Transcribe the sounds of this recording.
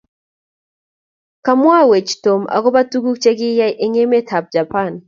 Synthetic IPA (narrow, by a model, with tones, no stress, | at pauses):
ka˦mwa˦we˨t͡ʃto˨ma̰˨kɔ˦ba˦tu˦ɡu˦kt͡ʃe˦ɡɪ˦ja˦ʔe˦ŋe˦me˦tʰa˨p̚d͡ʒa˨pa˦˨n